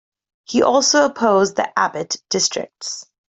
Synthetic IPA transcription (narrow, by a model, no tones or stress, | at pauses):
hiʔɔˑlˠsoʊəpʰoʊzðḭʔæbɨtd̥ɪstɹ̥ɪ̰k̚ts